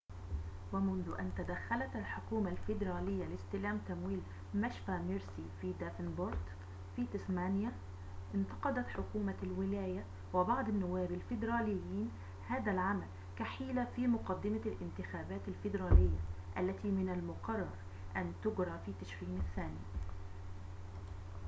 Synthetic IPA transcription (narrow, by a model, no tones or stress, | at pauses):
wamʊnðʊʔant̪ad̪axːalat̪alħʊkuːmalfɪd̪ɾɑːlɪjːalɪst̪ɪlaːmt̪amwiːl | maʃfaʕmɪɾsifiːd̪afɪnbʊɾd̪ | fiːt̪ɪsmaːnja | ʔɪnt̪ɑqɑd̪at̪ħʊkuːmalwɪlaːja | wɪbɑʕd̪ˤanːʊwːaːbalfɪd̪ɾˤɑːlɪjːiːn | haːðalʕamal | kaħiːlafiːmʊqɑd̪ːɪmalʔɪnt̪ɪxaːbaːt̪alfɪd̪ɾˤɑːlɪjːaʔalːat̪iːmɪnalmʊqɑrˤːɑɾˤ | ʔant̪ʊɡɾˤɑfiːt̪aʃɾiːnaθːaːni